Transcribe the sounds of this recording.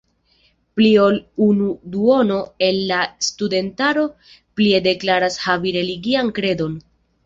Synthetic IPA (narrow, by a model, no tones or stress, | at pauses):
plio̞lunuduo̞no̞e̞nːastude̞ntaɾo̞ | plie̞de̞klaɾashaviɾe̞liɡiankɾe̞do̞n